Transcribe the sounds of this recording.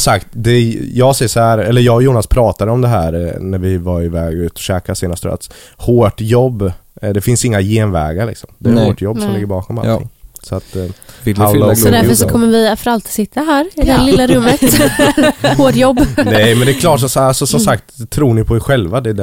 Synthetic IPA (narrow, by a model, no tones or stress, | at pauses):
sakt̪d̪ɛjɑːɡsɛjsɔhæɾɛlːəɾjɑːɡjuːnaspʰɾɑːt̪ad̪əɔmd̪ɛɦæːɾnæɾvɪvaɾɪvɛːɡʉ̟ːt̪ɔ̥ɕɛːkaseːnast̪ə̰a̰t̪shoːʈjɔbːd̪ɛfɪnsɪŋːajeːnvɛ̰ːɡaɾɭɪ̰ksɔmd̪ɛæɾhoːʈjɔbːsɔmlɪɡːəɾbɑːkɔma̰lɪ̰ŋsɔat̪ | aʊlad̪æɾfəʂɔkʰɔmːəɾvɪfœɾalt̪sɪt̪ʰːaɦæːɾɪd̪ɛælɪlːaɾɵmːət̪ | hoːʈjɔbːnnɛjmɛnd̪ɛkʰlɑːʈsɔsalsɔsɔmsakt̪t̪ʰːɾuːɳɪpʰɔɛɧɛlvad̪ɛ